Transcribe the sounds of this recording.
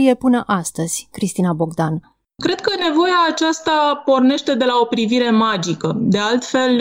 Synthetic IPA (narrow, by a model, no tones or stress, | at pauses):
je̞pɨnəʔast̪əz̥ʲkɾist̪inabo̞ɡd̪an | kɾe̞d̪̥̚kəne̞vo̞jaːt͡ʃast̪apo̞rne̞ʃt̪e̞d̪e̞laopɾiviɾe̞mad͡ʒikəd̪e̞alt̪fe̞l